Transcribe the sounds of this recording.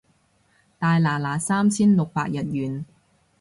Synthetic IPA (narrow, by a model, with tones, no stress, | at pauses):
t̪aː˨˧jlaː˨˩laː˨˩saː˥mt͡sʰiː˥nlʊ˨k̚paː˧k̚jɐ˨t̚jyː˨n